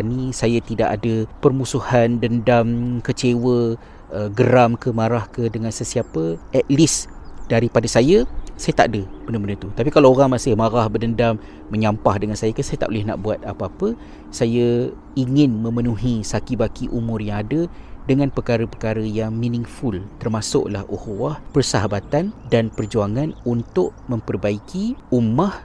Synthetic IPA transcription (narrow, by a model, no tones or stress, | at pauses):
nisajat̪ida̰ʔadəpərmusuhandəndamkət͡ʃewə | əɡəɾamkəmãɾahkədəŋansəsiapəʔɛt̪̚lisd̥aɾipadasajəsajat̪a̰ʔadəb̥ənəbənət̪ut̪apikalaoɾaŋmasɪhmaɾahbədəndamː | əɲampahdəŋansajəkənsajat̪a̰ʔolɪhna̰ʔbuat̪̚apapə | sajə | iŋɪnmə̃mənuɦisakibakiʔumʊrjaŋadə | dəŋãnpərkaɾəpərkaɾəjaŋminɪŋfʊlt̪ərmasʊ̰ʔlahuhwahpərsaɦabat̪andanpərd͡ʒuaŋanunt̪ʊʔmə̃mpərbaikʰiumah